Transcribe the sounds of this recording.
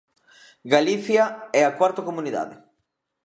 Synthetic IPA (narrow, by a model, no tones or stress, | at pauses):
ɡaliθjaɛakwaɾt̪okomuniða̰ðɪ